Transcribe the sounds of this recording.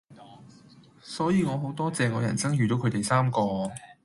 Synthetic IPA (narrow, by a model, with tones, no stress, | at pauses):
sɔː˨˥jiː˨˧ŋɔː˨˧ɦo˨˥wt̪ɔː˥t͡sɛː˨ŋɔː˨˧jɐ˨˩nt͡sɐ˥ŋjyː˨t̪o˨˥wkʰɵ˨˧˥t̪e˨jsaː˥mkɔː˧